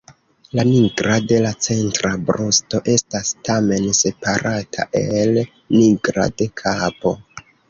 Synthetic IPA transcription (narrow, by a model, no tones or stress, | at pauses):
laniɡɾade̞lat͡se̞ntɾabɾosto̞ʔe̞stastame̞nse̞paɾʔatʰa̰ʔe̞l | niɡɾa̰de̞kʰapo̞